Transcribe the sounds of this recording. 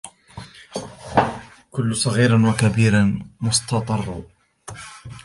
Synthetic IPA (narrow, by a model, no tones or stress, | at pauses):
kʊlːʊsˤɑɣiːɾanwakabiːɾanmʊst̪ɑt̪ˤɑrˤːɑ